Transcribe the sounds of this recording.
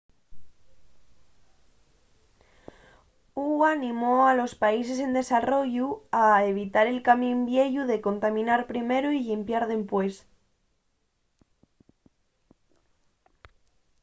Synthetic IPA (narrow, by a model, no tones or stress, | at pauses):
uanĩmoalo̞spais̬e̞s̬e̞nd̪e̞saro̞ʝuaeβ̞it̪aɾe̞lkamĩmbje̞ʎuðe̞ko̞nt̪amĩnaɾpɾime̞ɾuiʎimpjaɾðe̞mpwe̞s